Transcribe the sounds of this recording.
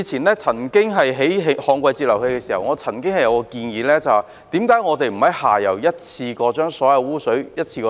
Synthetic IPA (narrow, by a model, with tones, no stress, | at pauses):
t͡sʰiː˨˩nlɛː˥t͡sʰɐ˨˩nkɪ˥ŋɦɐ˨jɦe˨˥jɦe˨˧hɔː˨˧ŋkʷɐ˧jt͡siː˧p̚lɐ˨˩whe˧jkɛː˧siː˨˩hɐ˨˩wŋɔː˨˧t͡sʰɐ˨˩nkɪ˥ŋhɐ˨jɐ˨˧wkɔː˧kiː˧njiː˨˧lɛː˥t͡sɐ˨w | t̪iː˨˥mkaː˨˥jŋɔː˨˧t̪e˨jm̩˨˩hɐ˨˥jhaː˨˩jɐ˨˩wjɐ˥t̚t͡sʰiː˧kɔː˧t͡ʃœː˥ŋsɔː˨˥jɐ˨˧wuː˥sɵ˨˥ɥjɐ˥t̚t͡sʰiː˧kɔː˧